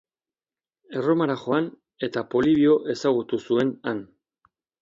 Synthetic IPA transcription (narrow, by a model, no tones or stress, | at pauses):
e̞ro̞maɾaxo̞an | e̞t̪apo̞liβio̞ʔe̞saɣ̞ut̪usue̞nan